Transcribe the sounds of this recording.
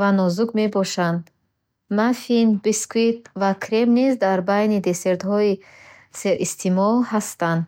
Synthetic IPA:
vanɔzuɡme̞bɔʃand̪ | mafinbiskuit̪̚vakʰɾemnizd̪aɾbajnid̪e̞seɾt̪hɔi | seɾʔist̪ʰimɔlhast̪and̪

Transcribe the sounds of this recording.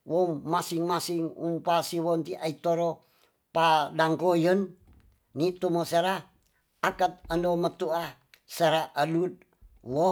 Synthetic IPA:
wommasiŋmasiŋṵmpasiwont̪iʔait̪oɾo | padaŋkojən | nit̪umoseɾa | akat̪̚əndomət̪ua | seɾaʔəlud̪̚ | wo

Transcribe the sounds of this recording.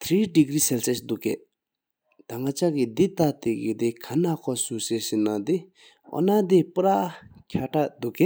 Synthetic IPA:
t̪ʰɾiɖiɡɾisɛlsesd̪uke | t̪aŋat͡ʃakid̪it̪at̪ekid̪ikʰanakʰɔsusesinad̪i | ɔ̰nad̪ipuɾakʲʰaʈad̪ukːe

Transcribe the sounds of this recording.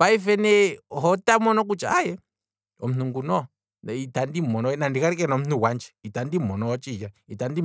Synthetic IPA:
paifɛnɛɦɔtamɔnɔk̬ut͡ʃa̰ajɛ | ɔm̩nuŋɡunɔ | itandimɔnɔɛnandikaɾikɛnɔm̩nuwand͡ʒɛ̥itandimɔnɔwɔt͡ʃijaitandi

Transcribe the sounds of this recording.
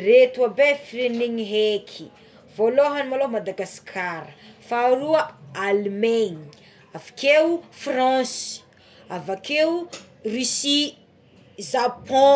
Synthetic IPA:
ret̪uabefireniŋiɦekʰi̥ | voloɦanimalomad̪aɡaskʰaɾəfaːɾuaalmeɲi̥ | avḁkewufrãs | avake | risi | zapɔ̃

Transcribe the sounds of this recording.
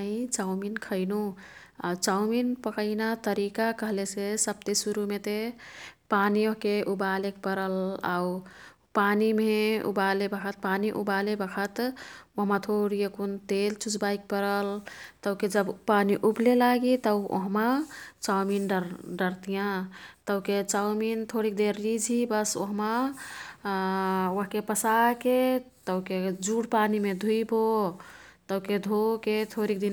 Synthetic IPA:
ĩt͡ʃaʊminkʰəɪnu | a̰t͡ʃawminpəkəɪnat̪əɾikakəɦlesesəb̚t̪esuɾumet̪epanioɦkeʔubalek̚pəɾəla̰u | panimeṵbalebəkʰət̪̚paniʔṵbalebəkʰət̪oɦmat̪ʰoɾijəkunt̪elt͡ʃut͡ʃbaik̚pəɾəlt̪əʊked͡ʒəbpaniʔublelaɡit̪əwo̰ɦmat͡ʃawminɖəɾɖəɾt̪ijãt̪əket͡ʃawmint̪ʰoɾik̚d̪eɾːid͡ʒʱibəso̰ɦma | woɦkepəsake | t̪əked͡ʒuɽpanimed̪ʱuibo | t̪əwked̪ʱoket̪ʰoɾik̚d̪in

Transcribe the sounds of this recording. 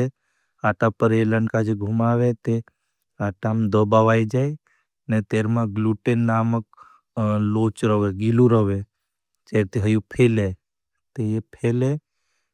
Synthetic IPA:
e | aːʈapəɾeləɳkad͡ʒeɡʱumaːʋet̪e | aːʈamd̪əbaʋaːjd͡ʒaːi | net̪eːɾmãɡluʈenːaːmək | loːt͡ʃɾəʋeɡiluɾəʋe | t͡ʃeːɾt̪eɦəjupʰeːle | t̪ejepʰele

